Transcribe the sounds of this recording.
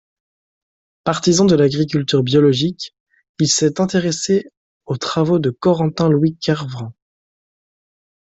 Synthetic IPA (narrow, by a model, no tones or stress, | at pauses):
paʁt̪izɑ̃d̪əlaɡʁik̬ʲylt̪yʁbjɔlɔʒikʲ | ilsɛt̪ɛ̃t̪eʁese | ot̪χavod̪əkɔʁɑ̃t̪ɛ̃lwikʰaʁvʁɛ̃